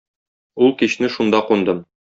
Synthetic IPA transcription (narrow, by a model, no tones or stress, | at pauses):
ulˠkiɕnɘʃund̪ɑqund̪ɤm